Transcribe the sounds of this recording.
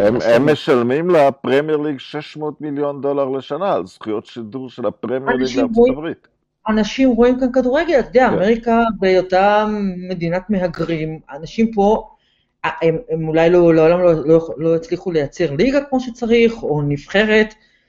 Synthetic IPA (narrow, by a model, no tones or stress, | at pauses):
ememːeʃalmimlapʁemjeʁliɡʃeʃmo̞ːt̪miljo̞nd̪o̞laʁleʃanaːlzχujotʃiduʁʃelapʁemjaʁiʃɡimoivʁit̪ | anaʃimʁo̞imkankaduʁeɡe̞lat̪ed̪eaːmeʁikabejotame̞d̪inatmeɦaɡʁimanaʃimpo̞ | aememulajlo̞leo̞lamlololo̞it͡sliχule̞jat͡se̞ʁliɡakmo̞ʃet͡saʁiχo̞nifχe̞ʁe̞t